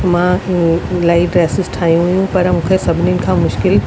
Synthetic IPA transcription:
mãː | laːiʈɾeːsɪzʈʰaːijũɦʊjũpɐɾmũːkʰesɐbʱɪninɪ̆kʰãːmʊʃkɪl

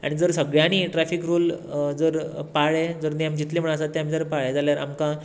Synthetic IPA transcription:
a̰ɽ̃id͡zəɾsəɡɭjañiːʈɾafiːkɾuːld͡zəɾpaɭed͡zəɾneəmd͡ʑit̪leməɭasat̪ːeamiːd͡zəɾpaɭed͡zaljaɾa̰mka

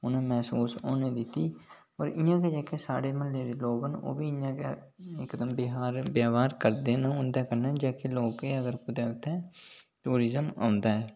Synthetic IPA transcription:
ʊnãːmɛːsuːsoːneːd̪ɪt̪ːiː | ə̰ːɾɪjãːkeːd͡ʒɛːkeːsa̰ːɽeːməlːeːd̪eːloːɡɦəno̰ːʋiːɪjãːkeː | ɪkd̪əmbɪɦaːɾbjaːʋaːɾkəɾd̪eːnãʊnd̪ɛːkəɾnɛːd͡ʒaːkeloːkeːəɡəɾpʊd̪ɛːʊt̪ʰːɛ̃ː | ʈuːɾɪzəma̰ːnd̪aːɛː

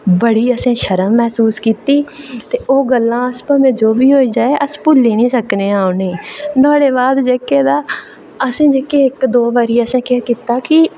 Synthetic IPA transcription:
bəɽiːəsẽːʃəɾəmːɛːsuːskiːt̪iːt̪eːʔoːɡəlːãːəspãːmẽːd͡ʒoːbiːɦoːiːd͡ʒaːeːʔəspʊlːiːnĩːsəkneːaːʊneːnɔːɽeːbaːd̪d͡ʒeːkeːd̪aː | əsẽːd͡ʒeːkeːɪkd̪oːʋaːɾiːəsẽːkɪaːkiːt̪aːkɪ

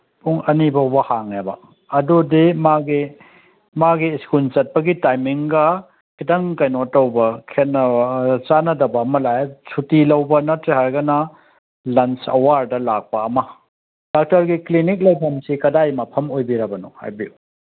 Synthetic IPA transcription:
puŋɐnibɐwbɐhaŋebɐ̰ | ɐdudimaɡi | maɡiskunt͡ʃɐt̚pɐɡitajmiŋɡɐ | kitɐŋkɐjnotːɐwbɐkʰenɐt͡ʃanɐdɐbɐɐmɐlajsutilɐwbɐnɐtɾehaɾɡɐnɐ | lɐnt͡ʃɐ̰waɾdɐlak̚pɐːmɐ | d̥ak̚tɐɾɡiklinik̬̚lɐjpʰɐmsikɐdajmɐpʰɐmojbiɾɐbɐnɔ̰ha̰jbiu

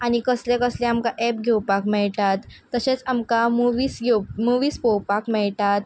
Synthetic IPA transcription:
aɽ̃ikəslɛkəslɛ̃amkaʔɛp̚ɡʱewpakmɛɭʈat̪ːəɕet͡samkamuʋiːsɡʱewmuʋiːspowpakmɛɭʈat̪

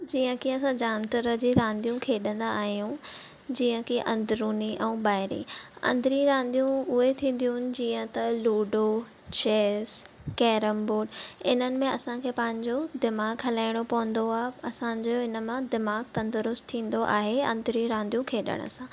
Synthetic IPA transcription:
d͡ʑiːə̃kʰiɐsãd͡ʑaːnt̪əɾəd͡ʑiːɾãːnd̪ijũkʰeːɗə̃nd̪aːɦijũ | d͡ʑiːə̃kʰiʔɐ̃nd̪ɾuːniʔɛ̃ːbaːɦɪɾḭɐ̰̃nd̪ɾiɾãːnd̪ijũʊɦet̪ʰĩːn̆d̪ijuʊnɪ̆d͡ʑiːə̃t̪ɐluːɖo | t͡ɕeːskɛːɾəmboːɖɪnənɪ̆mẽɐsãkʰeːpɐ̃ɦɪ̃ɲd͡ʑod̪ɪmaːɡɦɐlaːɪɽ̃opɐʋə̃nd̪oaːɦeɐsãɲd͡ʑoɪnə̆mãd̪ɪmaːɡt̪ɐ̃nd̪əɾʊst̪ʰĩːn̆d̪oʔa̰ːɦeɐ̰̃nd̪ɾiɾãːnd̪ijũkʰeːɗə̰ɽ̃ə̰sãː

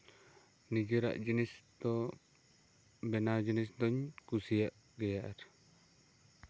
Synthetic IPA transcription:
nid͡ʒiɾa̰ʔd͡ʒinisd̪ɔ | bɛnad͡ʒinisd̪ɔɲkusijaʔ | ɡɛjaʔaɾ

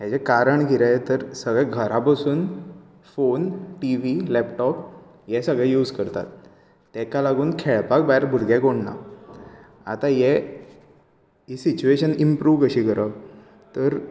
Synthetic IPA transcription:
jat͡ɕekaɾəɳɡiɾajet̪əɾsəɡɭɛɡʱəɾapəsuːn | fonʈiʋilɛpʈɔp | jɛsəɡɭɛjuːd͡zkəɾt̪a̰t̪ː | ɛkalaɡuːnkʰeɭpakbaɾbʱuɽɡɛ̃koɽna̰ | a̰t̪ajɛ | isit͡ɕueɕənimpɾuːʋkəɕiːkəɾə | t̪əɾ

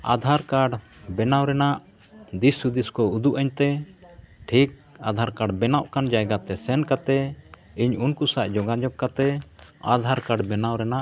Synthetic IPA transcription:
a̰d̪ʱaɾkaɖbɛnawɾɛnaʔ | d̪isud̪iskɔud̪uʔaɲt̪ɛ | ʈʰik̚ad̪ʱaɾkaɖbɛnaʔkand͡ʒajɡat̪ɛsɛnkat̪ɛ | iɲunkusaʔd͡ʒɔɡad͡ʒɔb̚kat̪ɛa̰d̪ʱaɾkaɖbɛnawɾɛnaʔ

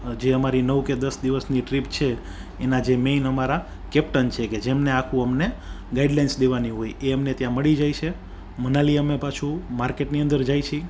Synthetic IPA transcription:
d͡ʒeəmaɾinəʋked̪əsd̪iʋəsniʈɾipt͡ʃʰeː | nad͡ʒemenəmaɾa | kɛpʈənt͡ʃʰeked͡ʒemneakʰũəmne | ɡaiɖlajnsd̪eʋaniɦojeəmnet̪jãməɭid͡ʒajt͡ʃʰe | mənaliəmepat͡ʃʰũmaɾkeʈniə̃nd̪əɾd͡ʒajt͡ʃʰi

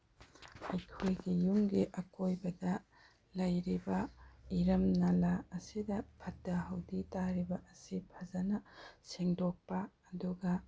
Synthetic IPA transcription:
ɐjkʰojɡijumɡiʔɐkojbɐdɐ | lɐjɾibɐiɾɐmnalaɐsidɐpʰɐtːɐɦɐwditaɾibɐʔɐsipʰɐzɐnɐseŋdok̚pɐːduɡɐ

